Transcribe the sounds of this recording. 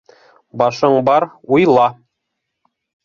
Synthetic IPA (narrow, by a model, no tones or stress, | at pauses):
bɑʃɤɴbɑɾujlˠɑ